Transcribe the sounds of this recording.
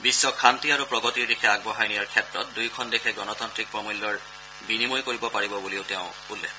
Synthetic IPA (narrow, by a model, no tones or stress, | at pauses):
bisːɔkʰantiaɹupɹɔɡɔtiɹdikʰɛaɡ̚bɔɦajnijaɹkʰɛtɹɔ̰t̚dujkʰɔndekʰɛɡɔnɔt̪antɹik̚pɹɔmulːɔɹ | binimojkoɹibɔpaɹibɔbulioʊteʊ̃ | ulːɛ̰k